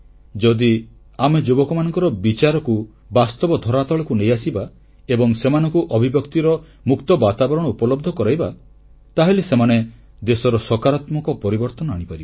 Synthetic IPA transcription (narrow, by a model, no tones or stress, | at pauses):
d͡ʒɔd̪i | amed͡ʒobɔkɔmanɔŋkɔɾɔbit͡ʃaɾɔku | bast̪ɔbɔd̪ʱɔɾat̪ɔɭɔkunejasiba | ebɔŋsemanɔŋkuʔɔbʱibjɔkt̪iɾɔ | mukt̪ɔbat̪abɔɾɔɽ̃ɔupɔlɔb̚d̪ʱɔkɔɾajba | t̪aɦelesemane | d̪esɔɾɔsɔkaɾat̪mɔkɔpɔɾibɔɾt̪ɔnɔaɽ̃ipaɾibɔ